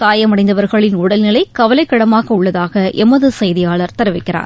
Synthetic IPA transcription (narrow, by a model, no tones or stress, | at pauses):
t̪aːjɐmɐɽɐɪnd̪ɐʋɐɾɣɐɭɪnʊɽɐlnɪlɐɪkɐʋɐlɐɪkːɐɽɐmaːɣɐʊɭːɐðaːɣɐʔɛmɐðɯsɛjðɪjaːɭɐɾt̪ɐɾɯʋɪkːɪra̰ːn